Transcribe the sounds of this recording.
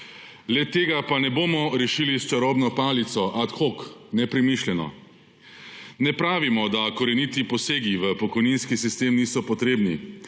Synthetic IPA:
lɛt̪ːeːɡapanɛboːmɔɾɛʃiliʃt͡ʃaɾɔːbnɔpaːlit̪sɔʔat̪xoknɛpɾɛmiʃlʲɛnɔ̰ | nɛpɾaːʋimɔd̪akɔɾɛnit̪ipɔseːɡiʋəpɔkɔjniːnskisist̪eːmniːsɔpɔt̪ɾeːbni

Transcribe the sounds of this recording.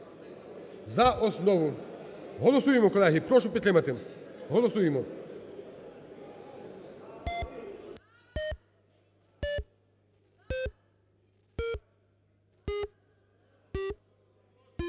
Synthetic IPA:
zaʔɔsnɔʋʊ | ɦɔlˠɔsujemɔkɔlˠɛɦɪpɾɔʃʊpʲit̪ɾɪmɐt̪ɪɦɔlˠɔsujemɔ

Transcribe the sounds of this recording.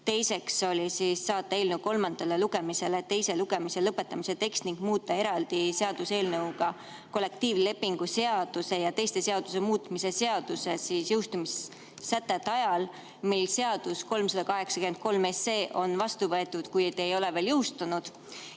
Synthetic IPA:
t̪e̞jse̞kso̞lʲisisːɑːt̪ːˑɑeːlneuko̞lmɑnd̪̥ɑleluɡ̥e̞mise̞let̪e̞jse̞luɡ̥e̞mise̞lɤpːˑe̞t̪ːˑɑmise̞t̪e̞kst̪niŋɡ̥muːt̪ːˑɑe̞ɾɑld̪̥ise̞ɑd̪̥use̞ːlnɤwɡ̥ɑ | ko̞lːe̞k̚t̪iːvle̞pːiŋɡ̥use̞ɑd̪̥use̞jɑt̪e̞jst̪e̞se̞ɑd̪̥usemuːt̪mise̞se̞ɑd̪̥use̞siːsjɯwst̪umis | sæt̪ːˑet̪ːˑɑjɑl | milːse̞ɑd̪̥usko̞lmsɑd̪̥ɑkɑɦe̞ksɑ̥kymend̪̥̚ko̞lme̞se̞ːʔo̞nvɑst̪uvɤet̪ːˑud̪̥kujt̪eejo̞leve̞ːljɯwst̪unud̪̥

